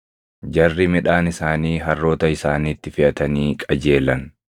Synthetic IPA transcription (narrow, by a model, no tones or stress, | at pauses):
d͡ʒɐrːɪmɪᶑaːnɪsaːniːɦɐrːo̞ːt̪ɐɪsaːniːt̪ːɪfɪʔɐt̪ɐniːkʼɐd͡ʒe̞ːlɐn